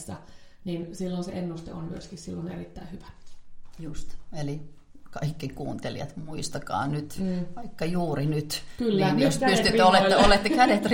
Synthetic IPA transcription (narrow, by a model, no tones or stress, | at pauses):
sːɑninsilːonseʔenːust̪ḛonmyøskissilːonḛrit̪ːæihyʋæ̥just̪eli | kɑikːikṵːnt̪elijɑ̰t̪muist̪ɑkɑ̰ːnyt̪ʋɑikːɑjuːrinyt̪klniːnjospyst̪yt̪ːøoleːolet̪ːekædet̪r